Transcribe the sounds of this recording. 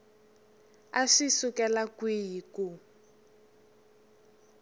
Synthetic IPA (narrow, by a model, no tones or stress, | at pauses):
aʂisukɛlakwijiku